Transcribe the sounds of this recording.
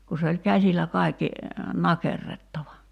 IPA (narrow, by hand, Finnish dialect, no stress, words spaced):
ku se olʲ kæsilæ kɑikːi nɑkerːetːɑʋɑ